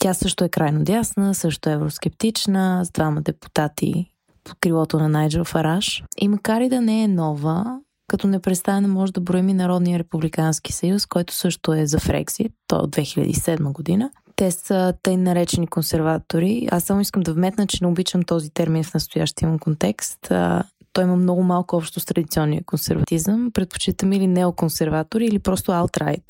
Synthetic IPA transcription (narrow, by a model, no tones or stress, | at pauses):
t̪ʲjasɤʃt̪ʊɛkɾʔajnod̪jasnəsɤʃt̪oɛɛvɾosk̟ɛp̚t̪it͡ʃnəzd̪vamɐd̪ɛpu̥t̪at̪ḭ | po̥kɾivˠɔt̪onɐnajd͡ʒəfɐɾaʃḭmɐkaɾid̪ɐnɛɛnɔvə | kɐt̪ɔnɛpɾɛt̪st̪aɛnɐmɔʒɛd̪ɐbɾoɛminɐɾɔd̪nijəɾɛpublikansk̟i̥sɐjuskɔjt̪ʊ̥sɤʃt̪ʊɛzɐfɾɛ̰ɡzit̪ːɔ̰o̰d̪vɛxiʎʲə̰d̪ḭisɛd̪məɡod̪inə | t̪ɛsət̪əjnːɐɾɛt͡ʃɛnikonsɛɾvat̪oɾia̰sːamʊiskəmd̪ɐvmɛt̪nət͡ʃɛnɛʊbit͡ʃəmt̪ɔzit̪ɛɾminfnɐst̪ʊja̰ʃt̪iəməmkont̪ɛkst̪ə̰ː | ɔiməmnɔɡʊmalˠkʊɔpʃt̪ost̪ɾɐd̪it̪siɔnːijəkonsɛ̰ɾvɐt̪izəmpɾɛt̪̚po̥t͡ʃit̪əmɛilinɛokonsɛɾvat̪oɾiːlipɾɔst̪ʊalˠt̪ɾa̰jt̪